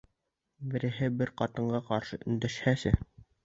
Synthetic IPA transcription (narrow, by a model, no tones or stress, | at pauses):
bɘ̆ɾɘ̆ɦɘbɘɾqɑt̪ɤ̆ɴɢɑqɑɾʃɤʔɵ̆nd̪æʃhæsɘ